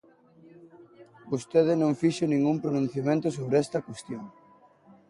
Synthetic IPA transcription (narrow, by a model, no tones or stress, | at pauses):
bost̪eðɪnõŋfiʃonĩŋɡumpɾonũn̟θjamẽnt̪os̬oβɾeɛst̪ɐkwest̪joŋ